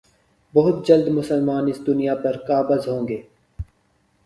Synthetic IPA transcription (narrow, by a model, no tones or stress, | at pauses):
bɐɦʊt̪̚d͡ʒɐld̪mʊsəlmaːnɪsd̪ʊnijapɐɾkaːbəzɦõːŋɡeː